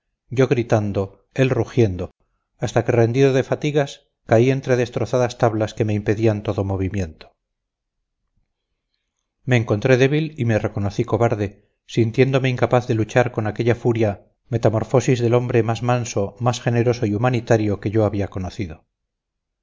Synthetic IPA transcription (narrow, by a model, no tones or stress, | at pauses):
ɟ͡ʝo̞ɣɾit̪and̪o̞ | e̞lruxje̞nd̪o | ast̪ake̞re̞nd̪iðoðe̞fat̪iɣas | kaie̞nt̪ɾe̞ðe̞st̪ɾo̞θaðast̪aβlaske̞me̞impe̞ðiant̪o̞ðo̞mo̞β̞imje̞nt̪o̥ | me̞ːŋko̞nt̪ɾe̞ðe̞β̞ilime̞re̞ko̞no̞θiko̞βaɾðe̞ | sint̪je̞nd̪o̞meiŋkapaθðe̞lut͡ʃaɾko̞nake̞ʎafuɾja | me̞t̪amo̞ɾfo̞sizðe̞lo̞mbɾe̞mazmanso̞masxe̞ne̞ɾo̞so̞iumanit̪aɾjo̞ke̞ʝo̞aβiako̞noθiðo̞